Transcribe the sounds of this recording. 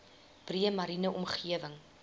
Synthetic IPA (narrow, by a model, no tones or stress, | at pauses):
b̥riəmɐɾinəʔɔmχiəvəŋ